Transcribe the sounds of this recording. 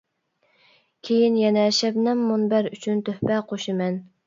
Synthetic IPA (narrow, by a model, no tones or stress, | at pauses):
kʲʰejinjɛnɛʃɛbnɛmːunbæɾyt͡ʃʰynt̪ʰøhpɛqʰoʃimɛn